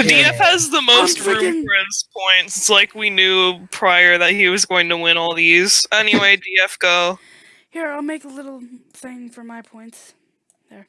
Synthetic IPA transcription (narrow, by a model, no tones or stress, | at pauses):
diɛfhɨzðəmoʊstifɹɛ̃nspʰɔ̃ɪ̃ntsɨtslaɪkwinjʉpʰɹ̥aɪə˞ðɨt̚hiwʌzɡoʊɪ̃ŋtʰəwɪ̃ñɔlˠðiz̥ɛniweɪdiɛfɡ̥oʊ | hiɹaɪlˠmeɪkəlɪɾl̩ˠ | θɪ̃ŋfə˞maɪpʰɔ̃ɪ̃nts | ðə˞